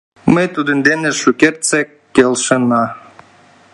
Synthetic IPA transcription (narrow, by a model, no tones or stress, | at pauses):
məjt̪ud̪ənd̪eneʃukert̪t͡se | kelʃə̆nɑ